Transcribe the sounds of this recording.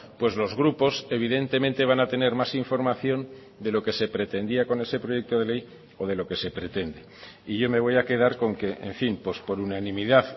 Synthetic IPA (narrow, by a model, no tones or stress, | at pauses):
pwe̞zlo̞zɣɾupo̞se̞β̞iðe̞nt̪e̞mẽ̞nt̪e̞β̞anat̪e̞ne̞ɾmasiɱfo̞ɾmaθjo̞n | d̪e̞lo̞ke̞se̞pɾe̞t̪end̪iako̞ne̞se̞pɾo̞je̞k̚t̪o̞ðe̞le̞j | o̞ð̞e̞lo̞ke̞se̞pɾe̞t̪e̞nd̪e̞ | iʝo̞me̞β̞o̞jake̞ðaɾko̞ŋke̞ʔḛɱfimpwo̞spo̞ɾunanĩmiðaθ